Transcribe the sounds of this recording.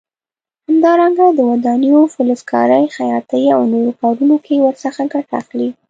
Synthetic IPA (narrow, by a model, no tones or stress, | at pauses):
hamd̪ɑɾaŋɡad̪əwad̪anijofʊlʊskɑ̰ɾəjxajɑt̪əja̰wnoɾokɑɾunokʰewəɾsəxaɡaʈa̰xli